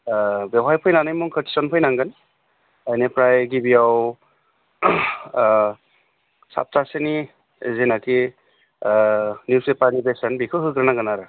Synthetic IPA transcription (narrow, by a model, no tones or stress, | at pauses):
bewɦajpʰɯjnanɯjmuŋkʰətʰi̥sɔnpʰɯjnaŋɡɯn | ajnepɾajɡibiaw | sa̰p̚taseni | zenaki | njusepanibesənbikʰɯɦɯkɯɾnaɡɯnaɾɯ